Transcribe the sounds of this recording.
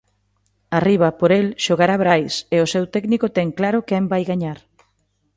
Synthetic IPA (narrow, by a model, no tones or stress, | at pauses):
ariβ̞apoɾelʃoɣaɾaβɾajseʊsewt̪ɛknikot̪ɛŋklaɾʊkɛmbajɣaɲaɾ